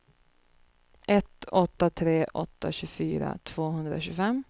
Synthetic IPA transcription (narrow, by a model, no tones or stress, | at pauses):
ʔɛt̪ɔt̪ːat̪ʰɾeːʔɔt̪ːa̰ɕʉfyːɾa̰t̪ʰv̥oːɦɵnd̪ɾa̰ɕʉːfɛm